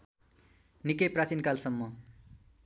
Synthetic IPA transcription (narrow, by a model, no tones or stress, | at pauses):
nikʌjprat͡sinkalsʌmːʌ